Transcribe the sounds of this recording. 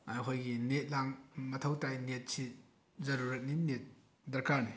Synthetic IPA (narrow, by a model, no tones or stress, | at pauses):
ajɦʰojɡinet̚laŋmɐtʰɐwtajnet̚si | zɐɾuɾɐt̚ninet̚ | dɐɾkaɾni